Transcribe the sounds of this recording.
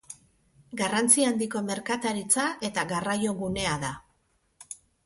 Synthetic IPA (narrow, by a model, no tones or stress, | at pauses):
ɡarant͡siand̪iko̞me̞ɾkat̪aɾit͡saʔe̞t̪aɣarajo̞ɣune̞aða